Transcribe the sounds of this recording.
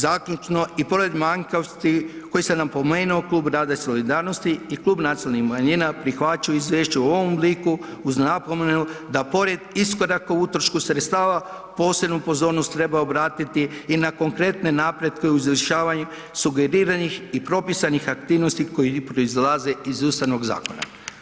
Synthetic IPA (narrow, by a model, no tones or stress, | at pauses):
zakʎʲut͡ʃno̞ipo̞ɾed̪maŋkaʋst̪iko̞jisenapo̞me̞ːnuoklˠuːbɾaːd̪aiso̞lid̪aːɾno̞st̪iːklˠuːbnat̪sielnixmaɲinapɾixʋat͡ʃajoizʋeːʃt͡ɕuuo̞ʋombliku | uzapomenud̪apo̞ɾe̞d̪isko̞ɾakout̪ɾoʃkusɾet̪st̪aːʋa | po̞ːse̞bnupo̞zo̞ːɾno̞st̪ːɾe̞bao̞bɾaːt̪it̪iːnako̞ŋkɾe̞t̪ne̞naːpɾe̞d̪keuiziʃaːʋaɲu | suɡe̞ɾiːɾanixipɾo̞pisanixak̚t̪iːʋnost̪iko̞jipɾo̞izlˠaze̞izuːst̪aʋno̞ɡza̰ːko̞na̰